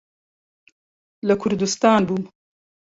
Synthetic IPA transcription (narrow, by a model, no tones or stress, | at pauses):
ləkʰʊɾd̪ust̪ɑːnbum